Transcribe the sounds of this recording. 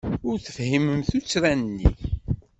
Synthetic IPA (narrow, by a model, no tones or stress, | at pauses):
ʊɾθə̥fhiməmθut͡sːɾænnːḭ